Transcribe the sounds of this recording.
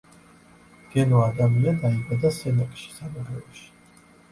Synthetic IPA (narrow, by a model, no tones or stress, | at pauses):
ɡ̥ɛnɔad̪amiad̪aiɡwɛd̪asɛnakʼʃi̥samuɾɛɔʃi̥